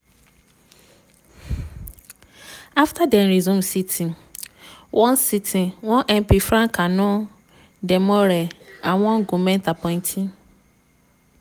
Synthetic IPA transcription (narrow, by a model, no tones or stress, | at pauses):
aftʰadɛ̃nɾizũmsitʰĩ | wʔɔ̃nsitʰĩwɔ̃nʔɛmpifɾãŋkʰanʊ̃ | dɛmɔɾɛãwɔ̃ŋɡumɛ̃ntapʰɔ̃ɪ̃ntʰĩn